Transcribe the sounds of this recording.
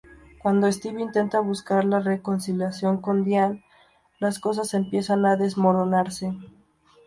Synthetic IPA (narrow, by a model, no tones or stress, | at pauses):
kwand̪oest̪iβint̪e̞nt̪aβuskaɾlare̞ko̞nsiljasjo̞ŋko̞nd̪jan | lasko̞s̬ase̞mpje̞sanaðe̞zmo̞ɾo̞naɾse̞